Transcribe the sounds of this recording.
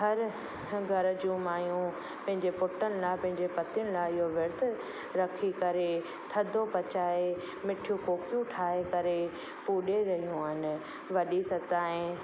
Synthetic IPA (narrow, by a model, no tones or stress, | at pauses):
ɦɐɾ | ɡʱɐɾd͡ʑũmaːjũ | pɐ̃ɦɪ̃ɲd͡ʑepʊʈənɪ̆laːpɐ̃ɦɪ̃ɲd͡ʑepɐt̪ɪjənɪ̆laɪɦoʋɪɾt̪ʊ | ɾɐkʰikɐɾe | t̪ʰɐd̪ʱopɐt͡ɕaːe | mɪʈʰjũkoːkjũʈʰaːɦekɐɾe | puːɗeɾɐɦijũaːɦɪnɪ̆ | ʋɐɗisɐt̪aːɦɪ̃